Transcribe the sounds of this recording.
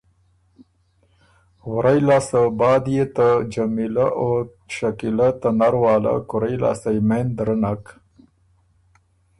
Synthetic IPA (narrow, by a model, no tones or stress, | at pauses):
wʊɾajlaːsabɑːd̪jet̪ad͡ʒamilaʔo | ʃakilat̪anaɾwɑːla̰kʊɾajla̰ːsajmend̪ɾənak